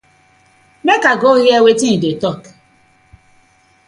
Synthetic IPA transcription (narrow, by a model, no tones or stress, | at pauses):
mekaɡoɣjewetiidetɔk